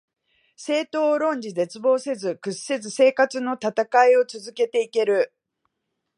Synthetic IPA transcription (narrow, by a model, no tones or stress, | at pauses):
se̞ːt̪o̞ːɾõ̞ɲ̟d͡ʑize̞t͡sɨbo̞ːse̞zɨkɯ̟sse̞zɨse̞ːkat͡sɨno̞t̪at̪akaio̞t͡sɨzɨke̞t̪e̞ike̞ɾɯ̟